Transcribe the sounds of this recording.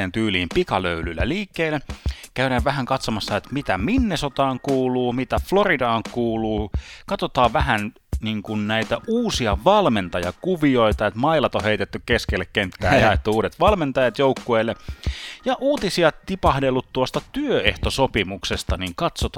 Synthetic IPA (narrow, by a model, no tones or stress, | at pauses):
eːnt̪yːliːmpikɑlø̰ylylːæ̰liːkːeːlːekæyɾæːʋʋæhæŋkɑt̪somɑsːɑet̪mit̪æminːesot̪ɑːŋkuːluːmit̪æfloridɑːŋkuːluːkɑt̪ot̪ɑːʋʋæhæn | niːŋkunnæit̪æʔuːsiɑʋɑlment̪ɑjɑ̰kuʋioit̪ɑet̪mɑilɑt̪oheit̪et̪ːykkeskelːekkent̪ːæːjjɑet̪ːuuːdet̪ʋɑlment̪ɑjɑt̪joukːueːlːejɑʔuːt̪isiɑt̪ipɑhdelːut̪t̪uost̪ɑt̪yøeht̪osopimuksest̪ɑniŋkɑt̪sot̪